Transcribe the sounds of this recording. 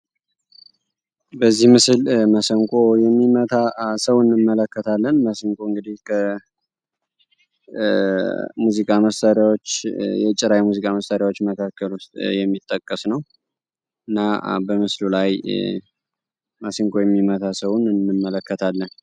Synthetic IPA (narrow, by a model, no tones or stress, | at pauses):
bəzːihmɨslməsəŋkʼojɛmːimət̪ʰasəwɨnːɨmːələkːət̪ʰalːənməsiŋkʼoɨŋɡɨd̪ihkʰə | muzikʼaməsaɾjawot͡ʃːjɛt͡ʃʼɪɾajmuzikʼaməst̪aɾjawo̞t͡ʃːməkʰakʰːəlust̪ʼjɛmːit̪ʼːəkʼːəsnəw | ɨnːabəmɨslulaj | məsiŋkʼo̞jɛmːimət̪ʰasəwnɨnːɨmːələkʰːət̪ʰalːən